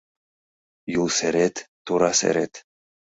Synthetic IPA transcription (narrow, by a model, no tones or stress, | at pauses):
julseɾet̪ː | uɾɑsḛɾet̪